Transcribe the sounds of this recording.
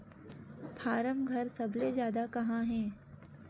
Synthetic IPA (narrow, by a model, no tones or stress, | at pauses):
pʰaːɾəmɡʱɐɾsɐblezjaːd̪akɐɦãɦɛ̃ː